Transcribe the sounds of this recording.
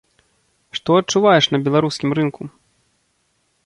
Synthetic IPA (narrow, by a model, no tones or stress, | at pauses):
ʂt̪ɔɐt͡ʂːuvajɛʂnɐbʲɛlˠaɾuskʲimɾɨnku